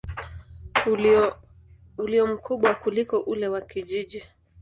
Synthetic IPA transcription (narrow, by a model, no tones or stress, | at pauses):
uliɔm̩kʰuɓwakulikɔʔulɛwakiʄiʄi